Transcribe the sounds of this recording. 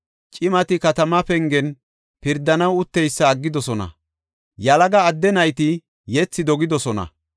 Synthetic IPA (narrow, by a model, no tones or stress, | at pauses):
t͡ʃʼɪmɐt̪ɪkɐt̪ɐmɐpɛŋɡɛn | pɪɾd̪ːɐnɐwʊt̪ːɛjsːɐːɡːɪd̪ɔsɔnɐ̰ | jɐlɐɡɐːd̪ːɛnɐjt̪ɪ | jɛt͡sːɪd̪ɔɡɪd̪ɔsɔnɐ̰